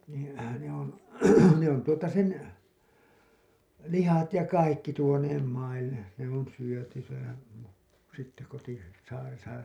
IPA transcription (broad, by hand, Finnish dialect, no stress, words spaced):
niːn̞ ne on̞ ne on tuotɑ sen lihɑt jɑ kɑikːi tuoneːm mɑilːe ne on syøty sehæn sitːe koti sɑːresɑ